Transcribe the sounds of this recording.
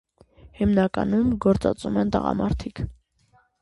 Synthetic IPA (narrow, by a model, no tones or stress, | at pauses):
himnɑkɑnumɡɔɾt͡sɑt͡sumɛnt̪əʁɑ̰mɑɾt̪ʰikʰ